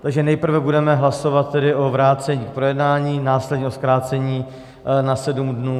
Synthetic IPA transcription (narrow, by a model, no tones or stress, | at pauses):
t̪aɡʒɛnɛjpr̩vɛbudɛmɛɦlaso̞vat̪̚ːɛdɪʔo̞vɾaːt͡sɛɲiːk̚pɾojɛdnaːɲiːnaːslɛdɲɛʔoskɾaːt͡sɛɲiː | nasɛdumdnuː